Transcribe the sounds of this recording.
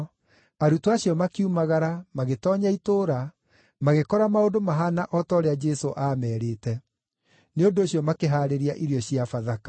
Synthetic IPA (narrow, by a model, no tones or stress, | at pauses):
aɾutoaɕijɔmakiumaɣaɾamaɣetɔːɲaitoːɾa | maɣekɔɾamaodomaɦanaʔɔtɔɾead͡ʒɛsoʔaːmɛːɾeːtɛ | neondoːɕjɔmakeɦaːɾeɾiaʔiɾiɔɕjafaðakḁ